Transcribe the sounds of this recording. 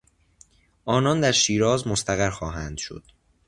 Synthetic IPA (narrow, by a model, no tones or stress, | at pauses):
ʔɒːnɒːnd̪æɾʃiːɾɒːzmost̪æɣæɾxɒːɦæːnd̪̥ʃo̰d̪̥